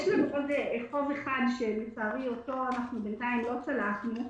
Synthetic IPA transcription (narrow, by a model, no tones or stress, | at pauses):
ʃlanuʔodeʔeχo̞veχadʃe̞met͡saːʁioto̞anaχnubentaimlo̞t͡salaχnu